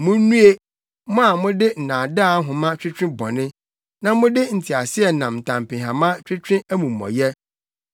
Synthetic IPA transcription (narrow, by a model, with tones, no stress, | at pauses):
mʊ̃˦nũ˦e˦ | mʊ̃˦a˨mʊ̃˦dɪ˦n̩˨nãː˨da˦ɦʊ̃˨mã˦t͡ɕᶣɾɪ̃˦t͡ɕᶣɪ̃˦bɔ̰˨nɪ̃˦ | nã˦mʊ̃˦dɪ˦n̩˨tʰi˨a˨sɪ˦ɛ˨nã˨mn̩˨tʰã˨m˨pɪ̃˨ɦã˨mã˦t͡ɕᶣɾɪ˦t͡ɕʰᶣɪ̃˦æ˦mũ˨mː˨ɔ̰̃˨jɛ˦